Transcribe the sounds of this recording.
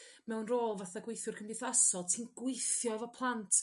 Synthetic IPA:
mɛwnroːlˠvaθaɡwejθjʊrkʰəmdɪθasɔlˠtʰinɡ̥wɪjθjɔɛvɔpʰlˠantʰ

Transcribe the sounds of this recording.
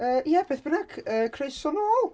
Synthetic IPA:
əːjɛb̥eːθb̥ənaɡəːkʰreɨsɔnoːlˠ

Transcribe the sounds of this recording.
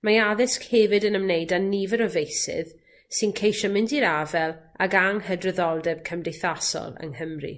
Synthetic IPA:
majaðɪskhevɨdənəmnejdanivəɾɔvejsɪ̰ð | sɨnkʰejʃɔmɪndiɾavɛlˠa̰ɡaŋhədrəðɔlˠdɛb̥̚kʰəmdejθasɔ̰lˠə̰ŋhəmrḭ

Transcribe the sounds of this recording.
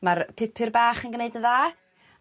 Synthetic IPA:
marpʰɪpʰɨrbaːχənɡneɨdəðaː

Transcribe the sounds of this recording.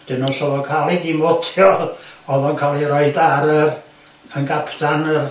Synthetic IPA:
d̥ɪnɔnsɔlɔkʰaːlˠidimɔtʰjɔɔðɔnkʰalˠiɾɔɨdaɾər | ənɡapʰtanər

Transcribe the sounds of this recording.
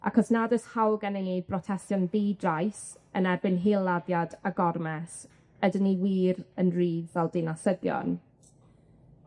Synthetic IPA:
ʔa̰kʰɔsnadəshawɡənenid̚brɔtʰɛstjɔnðidrajsənɛrbɪnɦilˠːaðjadaɡɔrmɛs | ədəniwiːɾənriːðɛlˠdɪnasəðjɔ̰n

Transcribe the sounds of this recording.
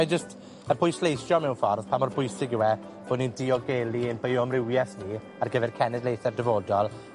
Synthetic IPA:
ajd͡ʒəst | əpʰʊjslejθjɔmɛwnfɔrðpʰamɔrbʰʊjsɪɡɪwɛ | b̥oːdnindiɔɡeːlˠiənbejʊmrɪwjɛθni | arɡəvɛrkʰɛnɛdlejθɛrdɛvoːdɔlˠ

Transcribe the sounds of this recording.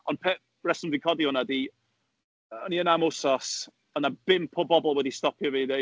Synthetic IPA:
ɔnpʰɛ | rɛsənvikʰɔdihʊnadi | ɔniənamosɔs | ɔnab̥ɪmpʰɔbɔbɔlˠwɛdistɔpʰjɔvide

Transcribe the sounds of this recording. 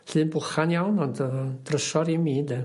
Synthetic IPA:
ɬɨːnbʊχanjawnɔndəd̥rəʃɔɾimiːdɛ

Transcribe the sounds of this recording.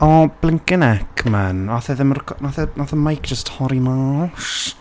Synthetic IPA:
ɔb̥lˠɪŋkɪnɛkʰmɛnaθɛðɪmrkʰɔnaθɛnaθəmajk̚ʰd̥d͡ʒ̥əsthɔɾimaʃ

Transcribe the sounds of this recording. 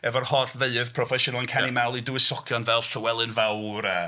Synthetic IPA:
ɛvɔrhɔdveɨəv̥pʰrɔfɛʃʊnalˠnkʰanimawlˠiduwɪsɔkʰjɔnvɛlˠɬɔwɛlˠɨnvawɾə

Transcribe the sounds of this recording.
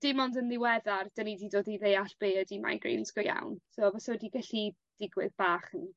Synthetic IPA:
d̥ɪmɔndənlɪwɛðard̥ənididoːdiðejaɬb̥eːədima̰jɡrḭnskɔja̰wnsoːvɔsɔdiɡaɬi | d̥ɪɡwɨ̰ðb̥aːχən

